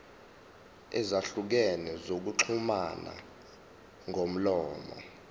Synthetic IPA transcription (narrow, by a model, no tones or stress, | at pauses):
ɛzaɬuk̬ɛnɛzok̬uǁʰumana̰ | ŋʱom̩lɔːmɔ̰